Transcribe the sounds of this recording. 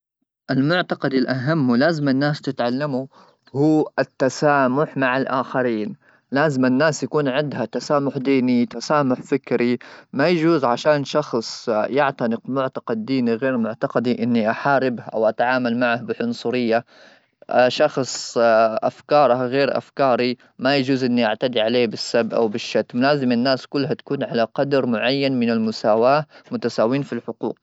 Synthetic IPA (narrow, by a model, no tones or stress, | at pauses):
ʔɪlmʊʕt̪ɑqɑd̪ilʔaɦamːlaːzɪmɪnːaːst̪ɪt̪ʕalːamu | huːʔɪt̪ːasaːmʊħmaʕalʔaːxaɾiːn | laːzɪmɪnːaːsjakuːnʕɪnd̪hat̪asaːmʊħd̪iːnit̪asaːmʊħfɪkɾimajad͡ʒuːzʕaʃaːnʃɑxsˤjaʕt̪anɪqmʊʕt̪ḁqɪd̪̚ːiːniɣeːɾmʊʕt̪aqɑd̪iʔɪnːiʔaħaːɾɪbhʔa̰wʔat̪ʕaːmalmaʕahbɪħʊnsˤʊɾɪjːa | ʃɑxsˤʔafkɑːɾˤɑɣeːɾʔa̰fkɑːɾˤi | majad͡ʒuːzʔɪnːiʔaʕt̪ad̪iʕaleːbɪsːabʔa̰wbɪʃːat̪ːmlaːzɪmanːaːskʊlːɦat̪ḁkuːnʕalaqɑd̪ɾˤmʊʕajːanmɪnɪlmʊsaːwaːmʊt̪asaːwiːnfilħʊqṵːq̚